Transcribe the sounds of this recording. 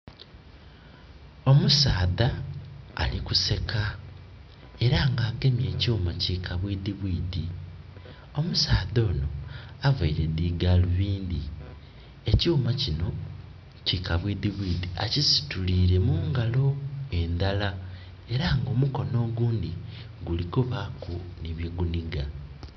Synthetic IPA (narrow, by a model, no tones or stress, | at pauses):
o̞musaːða̰ː | likuse̞kʰa | e̞ɾaːŋɡaːɡe̞mje̞ːcuːmaciːkʰaβwidiβwiːdi | o̞musaːðo̞ːno̞avaiɾe̞ðiːɡaːluβiːnd̪i | e̞cuːmacino̞ | cikaβwidiβwiːdiacisi̥tuliːɾe̞muːŋɡalo̞e̞nd̪ala | e̞ɾaːŋɡo̞ːmuko̞no̞ːɡuːnd̪i | ɡulikuβakuniβjeɡuniɡa